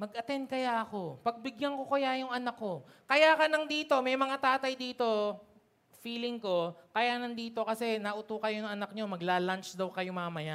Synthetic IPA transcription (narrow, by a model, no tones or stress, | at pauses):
mɐɡʔɐt̪ɛnd̪̚kɐjaʔɐko̞pɐɡ̚bɪɡjɐŋkokojajʊŋʔɐnakːo̞ | kɐjaːkɐnɐŋd̪iːt̪o̞mɛjmɐŋat̪aːt̪ɐjd̪iːt̪o̞ | fiːlɪŋko̞kɐjanɐŋd̪iːt̪o̞kɐsɛnɐʔʊt̪uːkɐjonɐŋʔɐnɐk̚ɲo̞mɐɡlaːlant͡ʃd̪ɐwkɐjʊŋmaŋamɐja